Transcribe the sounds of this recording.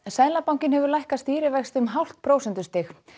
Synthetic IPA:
saːjðlapawŋ̥cɪnhɛvʏɾlajhkast̪iːɾɪvɛxst̪ʏmɦawl̥t̪̚pʰɾoːwsɛnt̪ʏst̪ɪx

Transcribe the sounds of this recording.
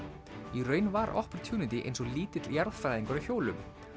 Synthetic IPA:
irœːɥnvaɾʔɔ̰hpɾ̥t̪ʰjuːnɪt̪ɪʔḛjnsɔɣliːt̪ɪt̪ljaɾðfɾajðiŋkɔɾʏçoːwlʏm

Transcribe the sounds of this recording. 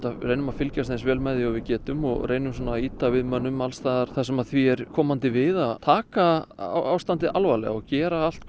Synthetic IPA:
t̪areːjnʏmafɪlcast̪θɪnsvɛːlmɛðɪɔvɪcɛːt̪ʏmɔ̰ɣrʔeːjnʏms̬ɔːnaːiːt̪avɪðmœnːʏmalst̪aːðaɾ̥θas̬ɛmaðθviɛɾkʰɔːmant̪ɪvɪðaðt̪ʰaːka̰ʔa̰wst̪ant̪ɪʔalvalɛ̰ɣaɔcɛːɾaal̥t̪̚

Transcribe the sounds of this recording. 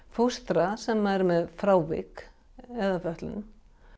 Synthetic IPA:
fost̪ɾasɛmːajɾɪmɛðfɾaːwvɪ̰k | ɛðafœht̪lʏ̰n

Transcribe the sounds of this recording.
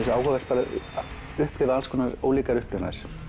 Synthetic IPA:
saːwhɔvɛr̥t̪paːɾa | ʏhpɾɪvalskɔnaɾo̰wliːkaɾʏhplʏvna̰s

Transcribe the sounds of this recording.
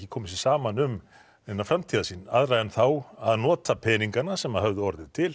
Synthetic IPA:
cɪkʰɔːmɪs̬isaːmanʏm | ɛnːafɾamt̪ʰiːðasinaðɾajðɛnθawaðnɔːt̪apʰɛːniŋkanasɛmaðhœvðʏɔɾðɪt̪ʰɪl

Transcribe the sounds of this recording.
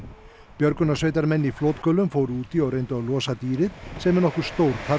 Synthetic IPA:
pjœɾkʏnasvejt̪̬aɾmɛnːifloːt̪kœlʏmfoːwɾuːt̪iɔɣrejnt̪ʏalɔːsat̪iːɾɪðsɛmɛnɔhkʏ̥st̪owɾ̥t̪θa

